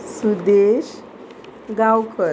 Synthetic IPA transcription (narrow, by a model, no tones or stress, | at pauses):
sud̪eɕ | ɡawkə